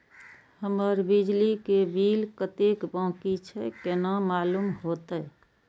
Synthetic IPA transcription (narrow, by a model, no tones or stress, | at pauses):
həməɾbid͡ʒlikebilkət̪ekbãːkit͡ʃʰɛkenamalumɦot̪ə